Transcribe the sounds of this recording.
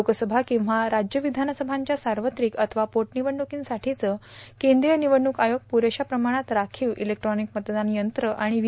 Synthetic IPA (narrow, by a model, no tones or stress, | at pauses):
okəsəbʱakĩw̃ʋaɾad͡ʑjəʋid̪ʱanəsəbʱaɲt͡ɕjasaɾʋət̪ɾiːkət̪ʰəʋapoʈniʋəɳɖukiːnsaʈʰit͡səː | kend̪ɾijəniʋəɳːukajoɡ̚puɾeɕapɾəmaɽ̃at̪ɾakʰiːwʔḭlek̚ʈɾɔnikmət̪əd̪anjənt̪ɾəʔaɽ̃i